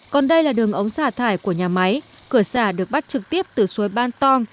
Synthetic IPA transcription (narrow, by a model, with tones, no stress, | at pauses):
kɔ˨˩nɗə˧jlaː˨˩ɗɨ˨˩əŋʔə˨˦wŋ͡msaː˧˩t̪ʰaː˧˩jku˧˩əɲaː˨˩ma˨˦jkɨ˧˩əsaː˧˩ɗɨ˨˩ək̚ɓt̚t͡ɕɨ˨˩k̚t̪i˦˥əp̚t̪ɨ˨˩su˨˦jɓaː˧nt̪ɔ˧ŋ